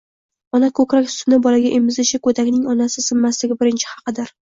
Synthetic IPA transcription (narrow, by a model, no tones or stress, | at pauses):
ɒnakʰɵkʲɾak̪ʲʊ̥sʊnɪbɒlaɡʲaʔemɪzɪʃɪkʰɵt̪ʰakʲnɪŋɒnasɪsɪmːaslɪɡʲɪbɪɾɪnt͡ʃʰɪ̥hɑ̥qɨd̪ɪɾ